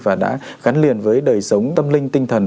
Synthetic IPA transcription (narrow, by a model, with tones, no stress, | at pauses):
vaː˨˩ɗa̰ː˧˥ | ɣa˨˦nli˨˩ənvəː˨˦jɗəː˨˩jsə˨˦wŋ͡mt̪ə˧mlï˧ŋ̟t̪ï˧ŋ̟t̪ʰə˨˩n